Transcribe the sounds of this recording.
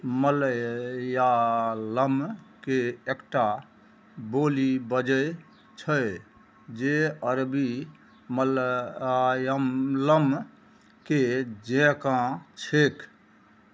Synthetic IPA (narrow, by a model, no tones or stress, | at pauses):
mələjaləmkeekʈa | bolibəd͡ʒəj | t͡ʃʰəj | d͡ʒeəɾbi | məl | jəmləm | ked͡ʒẽkãt͡ʃʰek